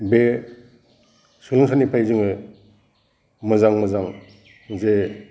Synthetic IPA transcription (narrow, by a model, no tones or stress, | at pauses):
be | sɯlaŋsʰanipʰajzɯŋɯ | mɯzaŋmɯzaŋ | ze